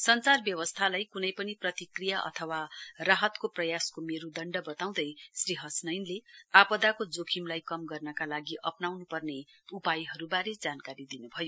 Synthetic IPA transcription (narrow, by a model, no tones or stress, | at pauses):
sʌnt͡sarbjʌwʌst̪ʰalajkunʌjpʌniprʌt̪ikrijaʔʌ̰t̪ʰʌwaraɦʌt̪koprʌjaskomeɾud̪ʌɳɖʌbʌt̪aw̃d̪ʌjsriɦʌsnʌjnleapʌd̪akod͡zokʰimlajkʌmɡʌrnʌkalaɡiʔʌpnawnupʌrne | upajɦʌɾubaɾed͡zankaɾid̪inubʱʌjo